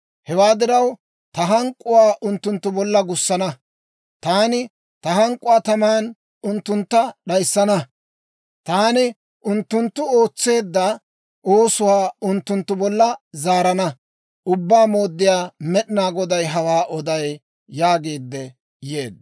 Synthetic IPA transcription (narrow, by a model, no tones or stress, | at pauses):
hɛwaːd̪ɪɾɐw | t̪ɐɦɐŋkʼːʊwaːʔʊnt̪ːʊnt̪ːʊbɔlːɐɡʊsːɐnɐ | t̪aːnɪ | t̪ɐɦɐŋkʼːʊwaːt̪ɐmaːn | ʊnt̪ːʊnt̪ːɐɗɐjsːɐnɐ | t̪aːnɪ | ʔʊnt̪ːʊnt̪ːʊo̞ːt͡sːe̞ːd̪ːɐ | ʔoːsʊwaːʊnt̪ːʊnt̪ːʊbɔlːɐzaːɾɐnɐ | ʔʊbːaːmo̞ːd̪ːɪjaːmɛɗɪnaːɡɔd̪ɐjɦɐwaːʔɔd̪ɐjː | aːɡeːd̪ːɛ | jḛːd̪